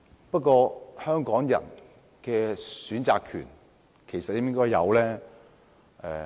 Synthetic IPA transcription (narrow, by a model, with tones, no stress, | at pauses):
pɐ˥t̚kɔː˧hœː˥ŋkɔː˨˥ŋjɐ̰˨˩n | kɛː˧syː˨˥nt͡sa̰ː˧kʰy̰ː˨˩n | kʰe˨˩jsɐ˨t̚jɪ˥ŋɪ˥ŋkɔː˥jːɐ̰˨˧wlɛː˥ | ɛː˨˧